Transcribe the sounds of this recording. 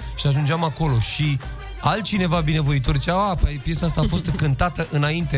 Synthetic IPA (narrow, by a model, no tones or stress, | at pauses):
ʃiaʒund͡ʒamako̞lo̞ʃi | alt̪̚t͡ʃine̞vabine̞vo̞it̪̬o̞rt͡ʃawapapje̞saast̪aːfo̞st̪kɨnt̪at̪əʔɨnaint̪e̞